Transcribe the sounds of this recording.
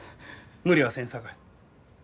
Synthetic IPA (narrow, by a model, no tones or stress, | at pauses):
mɯ̟ɾʲiβasẽɰ̃sakai